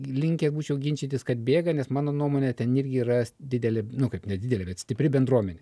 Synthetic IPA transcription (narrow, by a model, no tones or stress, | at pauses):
lʲɪŋʲkʲɛɡuːt͡ʃʲɛʊɡʲɪnʲt͡ʃʲit̪ʲɪskɐt̪bʲeːɡɐnʲɛsmɑːnoːnuɔmoːnʲɛt̪ʲɛnɪɾʲɡʲɪiːɾɐsd̪ʲɪd̪ʲɛlʲɛnʊkɐɪpnʲɛdʲɪd̪ʲɛlʲɛbʲɛt̪sʲt̪ʲɪpʲɾʲɪbʲɛnd̪ɾuɔmʲɛnʲɛ